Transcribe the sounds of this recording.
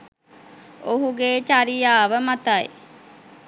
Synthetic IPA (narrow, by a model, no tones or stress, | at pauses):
oɦuɡeːt͡ʃaɾijaːʋəmat̪aḭ